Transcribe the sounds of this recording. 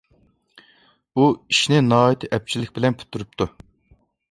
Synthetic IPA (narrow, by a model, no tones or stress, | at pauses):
uiʃnɪnɑːit̪ʰɪʔɛp̚t͡ʃʰilɪkʲbɪlɛnpʰy̥t̪ʰːyɾyp̚t̪ʰu